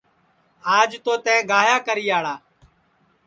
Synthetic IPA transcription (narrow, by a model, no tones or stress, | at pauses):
aːd͡ʒt̪oːt̪ɛ̃ːɡaːjaːkəɾiːaːɭaː